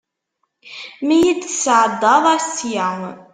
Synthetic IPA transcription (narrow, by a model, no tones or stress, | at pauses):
mijid̪sʕəd̪ːɑðˤɑɾsjæŋ